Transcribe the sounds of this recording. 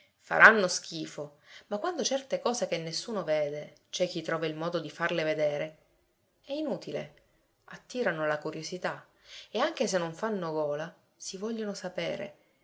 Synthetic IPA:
fa̰ɾʔanːosk̟iːfo | makwand̪ot͡ʃɛrt̪ekɔːsekenːesːuːnoveːd̪et͡ʃɛk̟ːit̪ːɾɔːvailmɔːd̪od̪ifarleved̪eːɾe | ɛinuːt̪ilḛ | at̪ːiːɾanolakuɾjosit̪a | eaŋk̟es̬enːoɱfanːoɡɔːla | sivɔʎːonosapḛːɾḛ

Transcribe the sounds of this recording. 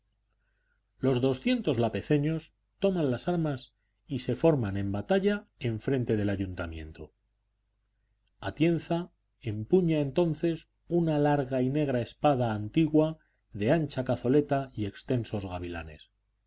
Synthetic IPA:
lo̞zðo̞sθje̞nt̪o̞zlape̞θe̞ɲo̞s | t̪o̞mãnlasaɾmas | ise̞fo̞ɾmanẽ̞mbat̪aʎaeɱfɾe̞nt̪e̞ð̞e̞laʝunt̪amjẽ̞̰nt̪o̰ | at̪je̞nθa | e̞mpuɲae̞nt̪o̞nθe̞s | unalaɾɣaine̞ɣ̞ɾae̞spaðaːnt̪iɣwa | ðe̞anʲt͡ʃakaθo̞le̞t̪aie̞kst̪e̞nso̞zɣaβila̰ne̞̰s

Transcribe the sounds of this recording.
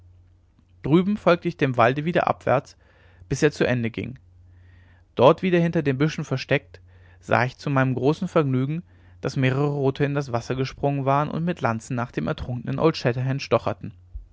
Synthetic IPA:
d̥ʁyːbm̩fɔlk̚tʰəɪçd̥eːmvaldəviːdɐ̰ʔa̰pv̥ɛ̰ɐt͡s | b̥ɪseːɐt͡suʔɛndəɡɪ̰ŋ | d̥ɔɐtv̥iːdɐhɪntɐdeːmbʏʃn̩fɛɐʃtɛk̚t | z̥a̰ːɪçt͡sumaɪnəmɡʁoːsn̩fɛɐɡnyːɡŋ̩ | d̥asmeːʁ̞əʁəʁoːtʰəɪndas̬v̥asɐɡəʃpʁ̥ʊŋənvaːʁənʊ̰ntmɪtlant͡sn̩nːaːχd̥eːmʔɛ̰ɐtʁ̥ʊŋkənənʔo̰ʊltʃɛtɐɦɛntʃtɔχɐ̰tn̩

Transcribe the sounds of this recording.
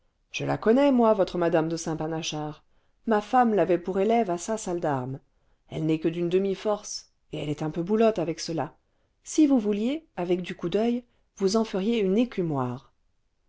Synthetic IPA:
ʒ̥əla̰kɔnɛmwavɔt̪χəmad̪amd̪əsɛ̃panaʃaʁ | mafamlavɛpuʁelɛvasasald̪aʁm | ɛlnɛkəd̪ynd̪əmifɔʁs | eɛlɛt̪ɛ̃pøbulɔt̪avɛksəla | sivuvuljeavɛk̚d̪ykud̪œj | vuzɑ̃fəʁjeynekʲymwaːʁ

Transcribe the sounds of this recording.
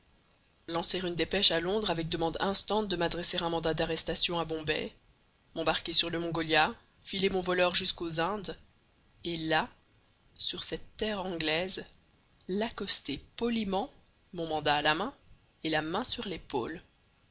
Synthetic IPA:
lɑ̃seʁynd̪epɛʃalɔ̃d̪ʁavɛk̚d̪əmɑ̃d̪ɛ̃st̪ɑ̃t̪̚d̪əmad̪ʁɛseʁɛ̃mɑ̃d̪ad̪aʁɛst̪asjɔ̃abɔ̃bɛ̰ | mɑ̃baʁkʲesyʁləmɔ̃ɡɔlja | filemɔ̃vɔlœʁʒyskozɛ̃d̪ | ela | syʁsɛt̪ːɛːʁɑ̃ɡlɛz | lakɔst̪epɔlimɑ̃ | mɔ̃mɑ̃d̪aːlamɛ̃ | elamɛ̃syʁlepo̰ːl

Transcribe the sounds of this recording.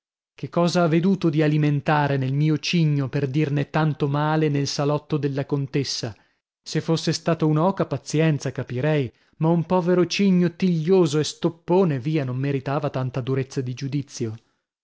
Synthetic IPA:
kekːɔːzaavːed̪uːt̪od̪ialiment̪aːɾenelmiːot͡ʃiɲːoperd̪irnet̪ant̪omaːlenelsalɔt̪ːod̪elːakont̪esːa | sefːosːest̪aːt̪ounaɔːkapat̪sjɛnt̪sakapiɾɛj | maumpɔːveɾot͡ʃiɲːot̪iʎːoːzoest̪opːoːneviːanomːeɾit̪aːvat̪ant̪ad̪uɾet̪sːad̪id͡ʒud̪it̪sːjo

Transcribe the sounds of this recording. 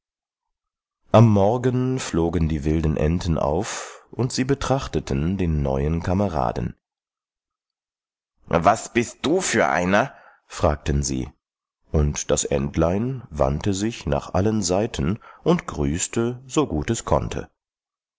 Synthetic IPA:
ʔamːɔɐɡənfloːɡəndiːvɪldən̩ʔɛ̰ntʰn̩ʔa̰ʊfʔʊntz̥iːbətʁ̥aχtətʰəndeːnːɔ̰ʏənkʰaməʁa̰ːdn̩ | vasb̥ɪst̚d̥uːfyːɐʔa̰ɪnɐ | fʁ̥aːk̚tənzḭː | ʔʊntd̥asʔɛ̰ntʰlaɪnva̰ntəzɪçna̰ːχʔalənzaɪtʰən̩ʔʊntɡ̥ʁyːstʰəzoɡuːtɛskʰɔ̰ntʰə̰

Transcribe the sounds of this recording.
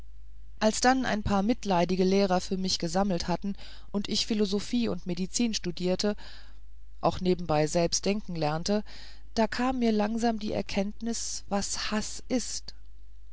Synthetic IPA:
ʔalsd̥anʔa̰ɪnpʰaːɐmɪtlaɪdɪɡəleːʁ̞ɐfyːɐmɪçɡ̥əzaml̩thatn̩ | ʔʊntɪçfilozofiːʊntmedit͡siːnʃtudiːɐtʰə | ʔaʊxneːbm̩baɪzɛlpst̚d̥ɛŋkŋ̩lɛɐntə | d̥aːkʰaːmːiːɐlaŋzaːmdḭːʔɛ̰ɐkʰɛntnɪs | v̥ashas | ʔɪst

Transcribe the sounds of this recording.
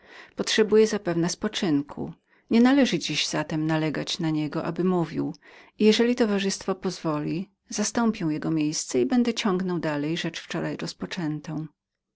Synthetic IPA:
pɔtʂɛbujɛzapɛvnɛspɔt͡ʂɘŋkʰṵ | ɲɛnalɛʐɘd͡ʑiʑz̥at̪ɛmnalɛɡat͡ɕnaɲɛɡɔʔa̰bɘmuvʲiw | ijɛʐɛlʲit̪ɔvaʐɘst̪fɔpɔzvɔlʲi | z̥ast̪ɔmpʲjɛw̃jɛɡɔmʲjejst̪sɛibɛnd̪ɛt͡ɕɔ̃ŋɡnɔwd̪alɛjʐɛt͡ʂft͡ʂɔɾajɾɔspɔt͡ʂɛnt̪ɔ̃w̃

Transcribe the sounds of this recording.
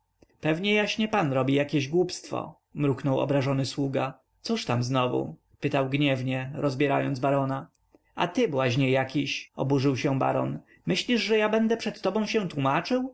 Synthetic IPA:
pɛvɲɛjaɕɲɛpanɾɔbʲijakʲeʑɡwupst̪fɔ̰ | mɾuknɔwɔ̰bɾaʐɔnɘswuɡa | t̪suʂt̪amznɔvṵ | pɘt̪awɡɲɛvɲɛɾɔzbʲjɛɾajɔ̰nd̪zbaɾɔna | a̰t̪ɘbɘwaɕɲɛjːakʲiɕɔ̰buʐɘwɕɛba̰ɾɔ̰n | mɘɕlʲiʐʐɛjabɛnd̪ɛpʂɛt̪ːɔbɔ̃w̃ɕɛ̃t̪wumat͡ʂɘw

